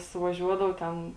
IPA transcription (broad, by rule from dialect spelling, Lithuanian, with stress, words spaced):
sʊʋɐˈʒʲuɔdɐw ˈtʲɛn